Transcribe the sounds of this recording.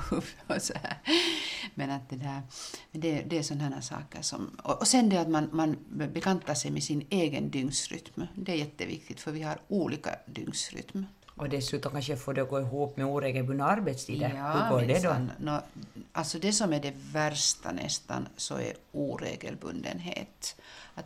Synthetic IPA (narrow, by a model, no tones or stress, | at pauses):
sɔhæ̰ːɾ | mɛnat̪̚d̪ɛd̪æːɾmɛnd̪ɛd̪ɛːsɔnɦæːnæːʂɑ̰ːkəʂɔ̰mɔʔɔsɛnd̪ɛat̪manmanbɛkant̪ːaʂɛjmɛsɪneːɡənd̪ʏŋsɾʏ̰t̪md̪ɛæɾjɛt̪ːəvɪ̰k̚t̪ɪɡ̚t̪fœɾʋɪhɑɾuːliːka̰d̪ʏ̰ŋsɾʏ̰t̪m | ʔɔd̪ɛsʉ̟ːt̪ɔmkanʂəjafoːdɛɔɡoːɪɦuːpmɛuːɾeːɡəlbɵnd̪aaɾbet̪st̪ʰiːd̪aɑːod̪ɛd̪ɔnnɔalt̪sɔd̪ɛsɔmæɖɛvæɾʂt̪a̰nɛ̰st̪a̰nsɔ̰ɛ̰ɾuːɾḛːɡə̰lbɵ̰nd̪ə̰nɦḛːt̪at̪